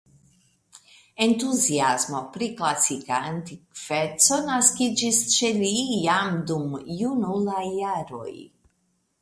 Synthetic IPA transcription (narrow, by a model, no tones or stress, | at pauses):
e̞nt̪uziazmo̞pɾiklasikaːnt̪ikv̥et͡so̞naskid͡ʒist͡ʃelijamd̪umjunulajaɾo̰j